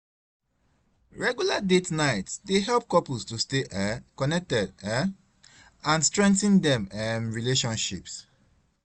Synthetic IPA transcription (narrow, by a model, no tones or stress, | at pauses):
ɹɛɡjuladetnaɪtsdeɦɛlp̚kɔpulstusteʔɛkɔnɛk̚tɛdɛ | ãnstɹɛ̃ŋktə̃ndɛ̃mɛmɹileʃɔ̃nʃips